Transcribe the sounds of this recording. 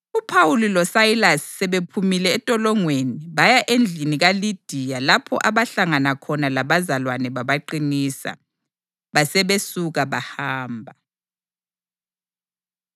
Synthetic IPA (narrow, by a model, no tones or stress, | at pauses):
upʰawulilɔsailasi̥ːɛβepʰumilɛːtʼɔlɔŋweniβajaʔend͡ɮʱiniɣalid̥ʱijalapʰɔ̰ʔaβaɬaŋanakʰɔnalaβazalwanɛβaβaǃinisa̰ | βasɛβesuɣaβahaːmbʱa